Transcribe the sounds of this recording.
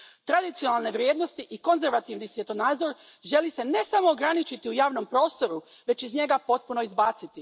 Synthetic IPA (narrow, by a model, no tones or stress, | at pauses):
t̪ɾad̪it̪sijo̞nalˠne̞ʋɾjeːd̪no̞st̪iʔiko̞nze̞ɾʋat̪iʋnisje̞t̪onaːd̪zo̞ɾʒe̞lise̞ne̞samo̞ːɡɾanit͡ʃit̪iujaːʋno̞mpɾo̞ːst̪o̞ɾu | ʋe̞t͡ʃizɲe̞ɡapo̞t̪̚puno̞izbaːt̪sit̪i